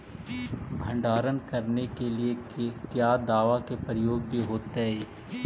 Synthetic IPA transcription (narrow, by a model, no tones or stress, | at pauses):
bʱə̃ɳɖaːɾənkɐɾnekeliekekjaːd̪aːʋakepɾəjoːɡ̚bʱiɦoːt̪eɦɛː